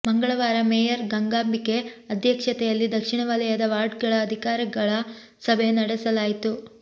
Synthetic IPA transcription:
mɐŋɡɐɭɐʋaːɾɐmeːjɐɾɡɐŋɡaːmbike̞ɐd̪ʱjɐkʂɐt̪ɛjɐlːid̪ɐkʂiɳɐʋɐlɐjɐd̪ɐʋaːɾɖ̚ɡɐɭɐːd̪ʱikaːɾɐɡɐɭɐ | sɐbʱenɐɽɛsɐlaːjit̪u

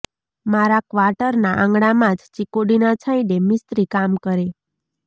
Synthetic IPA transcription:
maɾakʋaɾʈəɾnaʔãŋɡɽ̃amãd͡ʒt͡ʃikoɽinat͡ʃʰə̃j̃ɖemɪst̪ɾikamkəɾe

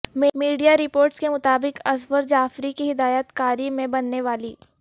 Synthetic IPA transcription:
mmiːɖijaɾɪpoːɾʈskemʊt̪aːbɪqɐsʋəɾd͡ʒaːfɾikiɦɪd̪aːjət̪kaːɾimẽbɐnːeʋaːliː

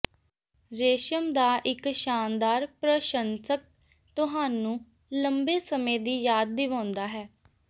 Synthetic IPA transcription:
ɾeːʃəmd̪aːʔɪkʃaːnd̪aːɾpɾəʃənsək̚ | t̪ʊɦaːnũː | ləmbeːsəmẽːd̪iːjaːd̪̚ːɪʋãːnd̪aːɦɛː

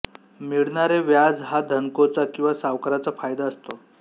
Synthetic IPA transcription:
miɭɳaɾeʋjad͡zɦad̪ʱəŋkot͡sakĩw̃ʋasaʋkəɾat͡safajd̪aəst̪o

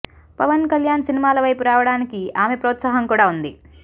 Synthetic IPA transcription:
pɐʋɐnkɐljaːnsinimaːlɐʋɐjpuɾaːʋɐɽaːnikiaːme̞pɾoːt̪saːɦɐŋkuːɽaːund̪i

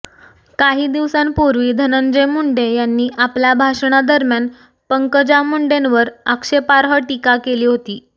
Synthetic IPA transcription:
kaɦiːd̪iʋsãnpuɾʋiːd̪ʱənənd͡ʑemuɳɖejanːiːʔapljabʱaʂɳ̃ad̪əɾmjan | pəŋkəd͡ʑamuɳɖenʋəɾəkʂepaɾɦəʈikakeliːɦot̪iː

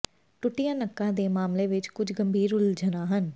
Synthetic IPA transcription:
ʈʊʈijãːnəkːãːd̪eːmaːmleʋɪt͡ʃkʊt͡ʃʰɡəmbʱiːɾʊld͡ʒənãːɦən

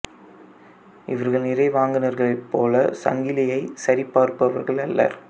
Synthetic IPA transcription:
ʔɪʋɐɾɣɐɭnɪrɐɪʋaːŋɡɯnɐɾɣɐɭɐɪpːoːlɐsɐ̰ŋɡɪlɪjɐɪsɐɾipːaːɾpːɐʋɐɾɣɐɭɐlːɐ̰ɾ

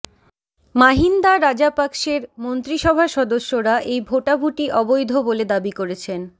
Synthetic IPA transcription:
maɦind̪aɾad͡ʑapakʃeɾmont̪ɾiʃɔbʱaʃɔd̪oʃːoɾaʔejbʱoʈabʱuʈiʔɔbojd̪ʱoboled̪abikoɾet͡ɕʰen

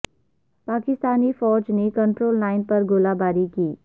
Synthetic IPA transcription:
paːkɪst̪aːnifɔːd͡ʒnekə̃ɳʈɾoːlːaːɪnpɐɾɡolaːbaːɾikiː

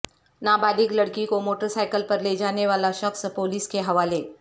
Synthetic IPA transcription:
naːbaːd̪ʱɪklɐɽkikomoːʈəɾsaːɪkəlpɐɾled͡ʒaːneʋaːlaʃɐkspoːliːskeɦɐʋaːle

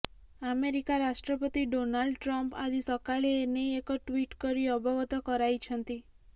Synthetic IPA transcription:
ameɾikaɾasʈɾɔpɔt̪iɖonalɖʈɾɔmpa̰d͡ʒisɔkaɭeːnejekɔʈwiʈkɔɾiɔbɔɡɔt̪ɔkɔɾajt͡ʃʰɔnt̪i

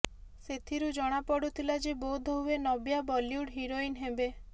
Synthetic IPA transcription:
set̪ʰiɾud͡ʒɔɽ̃apɔɽut̪ʰilad͡ʒebod̪ʱɔɦuenɔbjabɔljuɽɦiɾoinɦebe

